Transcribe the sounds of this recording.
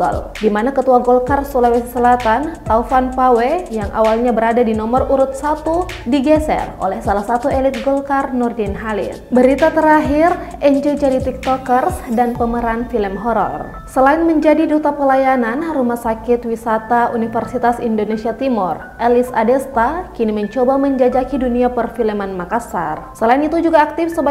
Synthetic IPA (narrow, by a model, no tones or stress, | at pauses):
ɔ̰l | dimanakət̪uaɡɔlkarsulawɛssəlat̪ant̪aufanpawejaŋʔa̰walɲabəɾadadinɔməruɾut̪̚sat̪u | diɡɛsɛ̰ro̰lɛhsalahsat̪uelit̪̚ɡɔlkarnɔrdɛnɦalḭrbəɾit̪at̪əɾaɦɪr | ɛɲd͡ʒəd͡ʒaɾit̪ik̚t̪ɔkərsdanpəməɾanfiləmɦɔɾɔ̰r | səlaɪnməɲd͡ʒadidut̪apəlajananrumahsakɪt̪wisat̪aunifərsit̪asindonesiat̪imɔr | ʔɛlisa̰dɛst̪akiniməɲt͡ʃobaməɲd͡ʒad͡ʒakiduniapərfiləmanmakasa̰rsəlainit̪ud͡ʒuɡaːk̚t̪ɪfsəba